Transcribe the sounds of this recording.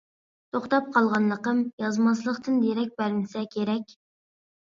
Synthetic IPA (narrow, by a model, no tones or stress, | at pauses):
t̪ʰoχt̪ɑp̚qʰɑlˠʁɑnlˠəqəmjɑzmɑs̬lˠəqt̪ɨnd̪eɾɛk̚ʲbæɾmɪsɛkʲʰeɾɛkʲ